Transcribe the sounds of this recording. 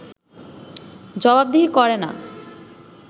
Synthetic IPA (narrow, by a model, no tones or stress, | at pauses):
d͡ʑɔbab̚d̪iɦikɔɾena̰